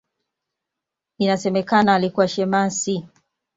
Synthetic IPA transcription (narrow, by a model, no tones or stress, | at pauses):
inasɛmɛkanaːlikuwaʃɛmasi